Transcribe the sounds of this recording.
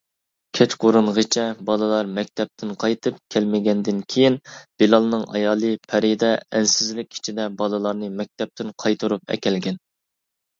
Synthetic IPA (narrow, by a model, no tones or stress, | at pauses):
kʲʰɛt͡ʃqʰoɾuɴʁɨt͡ʃʰɛbɑlˠɨlˠɑɾmɛk̚ʲt̪ʰɛp̚t̪ʰɪnqʰɑjt̪ʰɨp̚kʲʰælmɪɡʲɛnd̪ɪnkʲʰejinb̥elɑlˠnɨŋɑ̰jɑːlˠɨpʰɛɾid̪ɛɛnsɪzlɪk̚ʲʰi̥t͡ʃʰid̪ɛbɑlˠɨlˠɑɾnɨmɛk̚ʲt̪ʰɛp̚t̪ʰɪnqʰɑjt̪ʰuɾupɛ̰kʲɛlɡʲɛn